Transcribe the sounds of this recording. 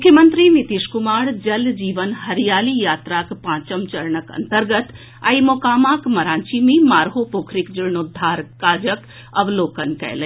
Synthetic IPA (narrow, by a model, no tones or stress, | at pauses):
mʊkʰːjəmənt̪ɾinit̪iːʃkumaːɽd͡ʒɐld͡ʒiːʋənɦɐɾijaːlijaːt̪ɾaːkpãːt͡ʃəmt͡ʃɐɾɳəkɐ̰nt̪əɾɡət̪ | a̰imoːkaːmaːkmɐɾãːnt͡ʃimẽmaːɾɦopoːkʰɾikd͡ʒiɾnoːd̪ʱːaːɾkaːd͡ʒək | ɐʋloːkənkɛ̰ːle